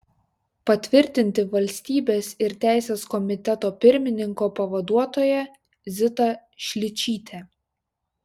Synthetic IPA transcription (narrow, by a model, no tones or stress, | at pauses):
pɐt̪ʲʋʲɪɾʲt̪ʲɪnʲt̪ʲɪʋɐlʲsʲt̪ʲiːbʲeːsɪɾt̪ʲæˑɪsʲeːskɔmʲɪt̪ʲɛt̪oːpʲɪɾʲmʲɪnʲɪŋkoːpɐʋɐd̪uɔt̪oːjɛ | zʲɪt̪ɐʃʲlʲɪt͡ʃʲiːt̪ʲʰeː